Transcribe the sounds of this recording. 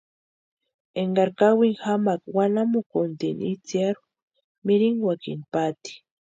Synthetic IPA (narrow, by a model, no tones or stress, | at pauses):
eŋɡaɾkawiŋxamakwanamukont̪init͡sjaɾu | miɾiŋɡwakḭnpat̪i̥